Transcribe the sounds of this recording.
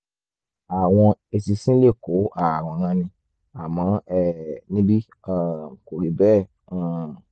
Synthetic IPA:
a˨w̃ɔ̃˧e˧si˧sĩ˦le˦˨ko˨˦ʔa˦˨w̃ɔ̃˨˧˦ɾã˧nĩ˧ | a˨mã˨˦ɛ˦˨nĩ˦bi˦ | a˦˨ko˨ɾi˨˦bɛ̃ː˦˨

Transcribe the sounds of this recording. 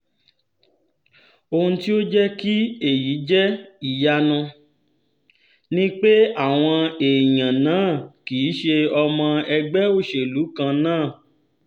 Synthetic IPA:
o˧hũ˧ti˦o˦d͡ʒɛ˦ki˦e˦˨ji˨˦d͡ʒɛ˦i˨ja˧nã˧ | nĩ˦k͡pe˦a˦˨w̃ɔ̃˧e˨j̃ã˨nãː˦˨kiː˨˦ʃe˧ɔ˧mɔ̃˧ɛ˧ɡ͡bɛ˦o˦˨ʃe˨lu˨˦kã˧nãː˦˨

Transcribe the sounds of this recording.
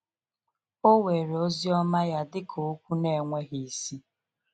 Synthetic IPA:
o˦we˨ɾe˨o˦zi˦ɔ˦ma˦ja˦dɪ˦kʰo˨˦kʷu˦ne˦˨ŋʷe˦ɦi˨si˦

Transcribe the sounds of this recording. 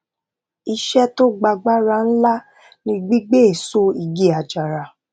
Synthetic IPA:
i˧ʃɛ˦to˦ɡ͡ba˧ɡ͡ba˦ɾa˧n̩˦la˦ | nĩ˧ɡ͡bi˦ɡ͡be˦e˨so˦i˧ɡi˦a˨d͡ʒa˨ɾa˨

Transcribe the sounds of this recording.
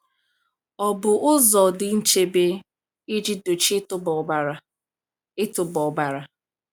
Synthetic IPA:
ɔ˨bʊ˨ʔʊ˦zɔ˨dɪ˨n̩˦t͡ʃe˦be˦ | i˦d͡ʒi˦do˨t͡ʃtb | ɪ˦tʊ˨bɔ˨ba˦ɾa˦

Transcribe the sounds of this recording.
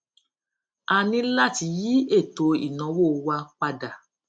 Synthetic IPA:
a˨nĩ˧la˦˨ti˧˦ji˦e˦˨to˨˧ḭ˨nɔ̃˨˦wo˦˨wa˧k͡pa˧da˨

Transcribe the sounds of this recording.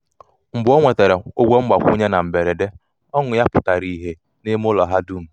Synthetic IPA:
ŋ͡m̩˨bʊ˦o˦ŋʷe˨te˨ɾe˨o˦ɡʷe˦ŋ͡m̩˦ɡ͡ba˨kʷu˦ɲe˦na˨m̩˨be˨ɾe˨de˦ | ɔ˦ŋʊ˨ja˦pʊ˨ta˨ɾi˨ɦe˦ | ne˦m˦ʊ˦lɔ˨ɦa˦du˦ŋ̩˨

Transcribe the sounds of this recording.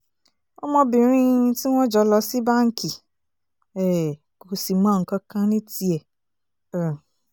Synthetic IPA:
o˦mɔ̃˧bĩ˨ɾ̃ĩ˦ti˦w̃ɔ̃˦d͡ʒɔ˧˦lɔ˧˦si˦ba˦ŋ̩˦ki˨ | ɛ˨ | ko˨si˨mã˨˦˨ŋ̩˨kã˧˦kã˦nĩ˦ti˧˦ɛ˨

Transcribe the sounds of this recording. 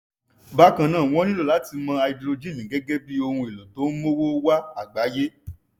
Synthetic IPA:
ba˨˦kã˧˨nãː˦˨w̃ɔ̃˦nĩ˦lo˦˨la˨˦ti˧mã˧a˧i˧dɾo˧d͡ʒĩ˦˨nĩ˨ɡɛ˨˦ɡɛ˦bi˦o˧hũ˧e˨lo˨to˨˦mo˦wo˦wa˦a˦˨ɡ͡ba˨˦je˦

